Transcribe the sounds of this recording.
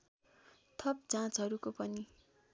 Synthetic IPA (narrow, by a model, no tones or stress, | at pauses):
t̪ʰʌp̚d͡zãt͡sɦʌɾukopʌni